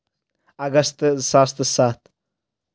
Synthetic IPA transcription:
aɡɐst̪ʼɨzsaːst̪ʼɨsat̪ʰʼ

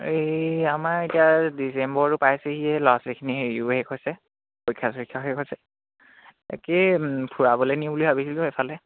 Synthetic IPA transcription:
eamaɹetijadisembɔɹɹʊpajsehiɛlɔasekʰiniɦuhɛkʰojsɛ | kojkʰːaskʰːaɦekʰojsɛ | ḛkepʰuɹabɔlɛnibulibʱabisilʊ̃epʰalɛ

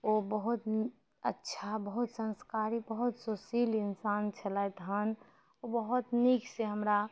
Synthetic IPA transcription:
obəɦut̪ | ə̰tːʃʰabəɦut̪sə̃nskaɾibəɦut̪sosiːlɪnsaːnt͡ʃʰəlaet̪ɦən | obəɦut̪nikseɦəmɾa

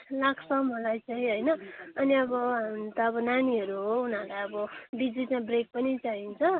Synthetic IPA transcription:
laksʌmolajt͡sʰʌĩɦʌjnʌʌniʌbʌt̪ʌːbʌnaniɦʌɾuɦounʌlajʌbʌɖid͡zit͡sabrek̚pʌnit͡saɦint͡sʰʌ

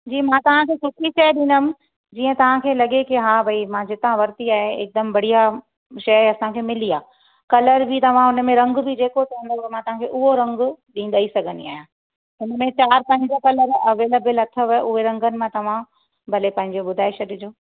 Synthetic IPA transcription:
d͡ʑiːmãːt̪ɐʋ̤ãkʰeːsʰɪkiʃɐjɗɪ̃nəmɪ̆ | d͡ʑiːə̃t̪ɐʋ̤ãkʰeːlɐɠekɪɦaːbʱɐimãd͡ʑɪt̪ãʋɐɾt̪iaːɦeɪ̰k̚d̪ɐmbɐɽ̤ija | ʃɐjɐsãkʰeːmɪliaː | kɐləɾbʱɪt̪ɐʋ̤ãʊn̆mẽɾɐ̃ŋɡbʱɪd͡ʑeːkot̪ʰɐɦə̃nd̪omãt̪ɐʋ̤ãkʰeʔʊɦoɾɐ̃ŋɡʊɗĩːn̆d̪aisɐɡʱə̃nḭa̰ːɦijã | ʊnəmẽt͡ɕaːɾpɐ̃ɦɪ̃ɲd͡ʑəkɐləɾɐʋeːləbəlɐt̪ʰəʋʊɦeɾɐ̃ŋɡənɪ̆mãt̪ɐʋ̤ã | bʱɐlepɐ̃ɦɪ̃ɲd͡ʑoɓʊd̪ʱaːɪʃɐɗɪd͡ʑoː

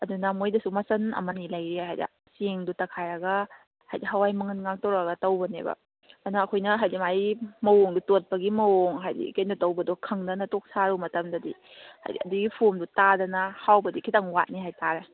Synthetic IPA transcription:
ɐdunɐmojdɐsumɐsɐnɐ̰mɐnilɐjɾeɦajda̰ | siŋdutɐkʰajɾɐɡɐ | hajdiɦɐwajmɐŋɐnŋaŋtowɾaɡɐtɐwbɐnḛbɐ̰ | nɐːkʰojnɐɦajdimajmɐwoŋdutot̚pɐɡimɐwoŋɦajdḭkɐjndutɐwbɐdokʰɐŋdɐnɐtok̚saɾumɐtɐmdɐdḭ | ha̰jdiɐ̰duɡipʰomdutadɐnɐhawbɐdikʰitaŋwa̰t̚niɦajtaɾe

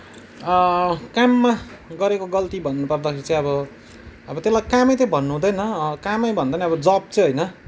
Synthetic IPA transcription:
ʌkamːaɡʌɾekoɡʌlt̪ibʱʌnːupʌrd̪ʌkʰeɾit͡sʌ̃ĩʌbʌ | ʌbʌt̪elajkamʌjt̪ʌ̃bʱʌnːuɦũd̪ʌjnʌkamʌjbʱʌnd̪ʌjnʌʌbʌd͡zʌb̚t͡sʌɦʌjnʌ

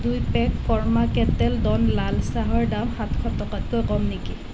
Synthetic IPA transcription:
dujpɛkfʰɔɹmakɛtɛldɔnlalsaɦɔɹdamhatkʰɔtɔkatkojkɔmniki

